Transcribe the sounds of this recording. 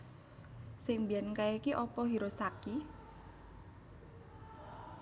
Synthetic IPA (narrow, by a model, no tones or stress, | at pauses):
sɪŋbijankaikiʔɔpɔɦiɾosaki